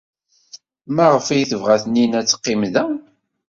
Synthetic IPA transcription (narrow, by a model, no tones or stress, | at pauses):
mæʁəfijθəvʁæθninæt͡sːə̥qːimðæ